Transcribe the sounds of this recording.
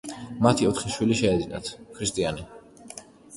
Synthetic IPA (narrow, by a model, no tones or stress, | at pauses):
mat̪ʰiɔt̪χiʃwiliʃɛːd̪ina̰t̪ʰkʰɾist̪ʼiani